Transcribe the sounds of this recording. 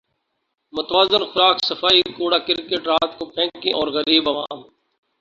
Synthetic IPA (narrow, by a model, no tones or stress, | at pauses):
mʊt̪ʋaːzənxʊɾaːksɐfaːikoːɽaːkɪɾkeʈɾaːt̪kopʰɛ̃ːkĩʔɔːɾɣɐɾiːbɐʋaːm